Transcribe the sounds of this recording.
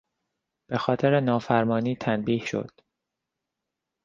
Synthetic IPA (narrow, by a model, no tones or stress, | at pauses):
b̥e̞xɒːt̪ʰeɾenɒːfæɾmɒːniːt̪ʰænbiːhʃo̞̰d̪̥